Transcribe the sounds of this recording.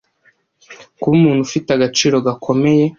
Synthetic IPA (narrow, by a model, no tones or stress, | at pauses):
kuβumuːn̤̥hufitaɡat͡ʃiːɾo̞ɡakʰo̞me̞je̞